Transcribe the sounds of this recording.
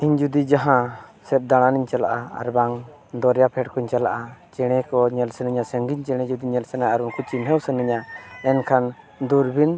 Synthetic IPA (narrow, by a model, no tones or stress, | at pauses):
iɲd͡ʒud̪id͡ʒaɦãsɛp̚d̪aɽ̃aniɲt͡ʃala̰ʔa̰a̰ɾbaŋ | d̪ɔɾjapʰɛʈ̚kɔiɲt͡ʃalaʔat͡ʃɛɽ̃ɛkɔɲɛlsənɯɲasəŋɡiɲt͡ʃɛɽ̃ɛd͡ʒud̪iɲɛlsɛnaaɾunkʰɔt͡ʃinɦəwsənɯɲaɛnkʰan | d̪uɾbin